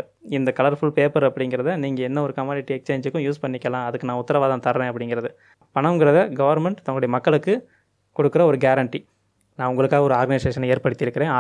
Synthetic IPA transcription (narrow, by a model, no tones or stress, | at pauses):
ɪnd̪ɐkɐɭɐɾfʊɭpeːpɐɾɐpːɐɽɪŋɡɪɾɐðɯniːŋɡɐɛnːɐɔɾɯkɐmaːlɪʈːiɛkst͡ʃeːɲd͡ʒɯkːʊ̃juːspɐɳːɪkːɐlãːɐðɯkːɯnãːʊt̪ːɐɾɐʋaːðãːt̪ɐɾʋẽːɐpːɐɽɪŋɡɪɾɐðɯ | pɐɳɐɡɪɾɐðɐɡɐʋɐɾmɛɳʈt̪ɐŋɐɭɽɐjɐmɐkːɐɭɯkːɯ | kɔɽɯkːɯɾɐɔɾɯɡaːɾɐɳʈi | nãːʊŋɡɐɭɯkːaːɐɔɾɯaːɾɡɐnɪseːʂɐneːɾpɐɽɯt̪ːɪɾɯkːɪɾẽːa